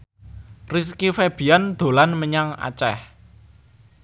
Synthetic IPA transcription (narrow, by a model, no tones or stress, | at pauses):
riskifeb̥i̤jand̪̥o̤lanməɲaŋa̰t͡ʃɛh